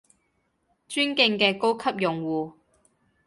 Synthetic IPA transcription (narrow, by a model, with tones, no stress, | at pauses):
t͡ʃyː˥nkɪ˧ŋkɛː˧ko˥wkʰɐ˥p̚jʊ˨ŋwuː˨˩